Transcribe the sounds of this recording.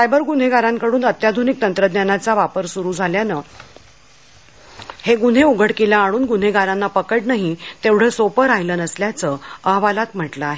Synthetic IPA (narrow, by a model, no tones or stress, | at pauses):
sajbəɾɡun̤eɡaɾãŋkəɽuːnət̪jad̪ʱunik̚t̪ənt̪ɾəd̪njanat͡saʋapəɾsuɾuːd͡zʱaljanə | heɡun̤euɡʱəɽkilaːɽ̃uːnɡun̤eɡʱaɾanːapəkəʈnaɦit̪eʋɽ̤əsopəɾajlənəsljat͡səəɦʋalat̪m̤əʈləaɦe